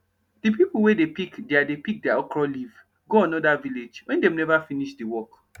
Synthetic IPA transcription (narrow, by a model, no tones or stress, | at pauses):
d̥ipipul̩wedepikdeadepik̚dɛaɔkɹɔliv | ɡoãnɔdaviled͡ʒwɛ̃ndɛ̃mnɛvafiniʃdiwɔk